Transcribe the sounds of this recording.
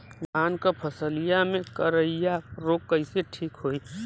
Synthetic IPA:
ɡʱaːnkapʰəsəlijamẽkəɾəijaɾoːkːəɪseʈʰiːkɦoːi

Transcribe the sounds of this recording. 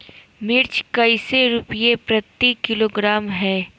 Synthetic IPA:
mɪɾt͡ʃkɐiseɾʊpijepɾɐt̪ːikɪloːɡɾaːmɦɛː

